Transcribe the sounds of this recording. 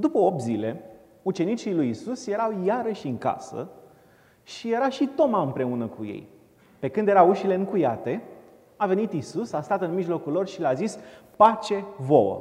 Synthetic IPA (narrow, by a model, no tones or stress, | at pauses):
d̪upəo̞p̚t̪zile̞ | ut͡ʃe̞nit͡ʃilujisusjeɾawjaɾəʃʲɨŋka̰sə̰ | ʃije̞ɾaʃit̪o̞maɨmpɾe̞unəkujḛj | pe̞kɨnd̪jeɾauʃile̞ɨŋkujat̪e̞ | ave̞nit̪isusast̪at̪ɨnmiʒlo̞kulːo̞rʃileazispat͡ʃe̞vo̞wə̰